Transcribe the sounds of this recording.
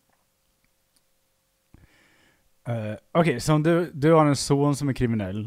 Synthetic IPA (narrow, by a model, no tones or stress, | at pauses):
okʰeɪsɔd̪ʉd̪ʉhɑɾɛnsuːnsɔmæɾkʰɾɪmɪnɛlː